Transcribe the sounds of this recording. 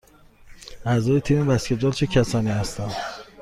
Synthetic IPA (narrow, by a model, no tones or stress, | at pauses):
æzɒːjet̪ʰiːmebæskʲet̪̚d͡ʒɒːlt͡ʃʰecʰæsɒːniːhæst̪æn